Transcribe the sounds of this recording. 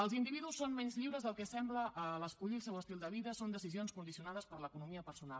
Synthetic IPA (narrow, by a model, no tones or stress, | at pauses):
əlˠzind̪iβiðusːonmɛnzʎiwɾəzðəlˠkɛsɛmbləʔələskuʎilˠsɛwəst̪ilˠd̪əβiðəsond̪əsizionskund̪isiunaðəspəɾləkunumiəpəɾsuna̰l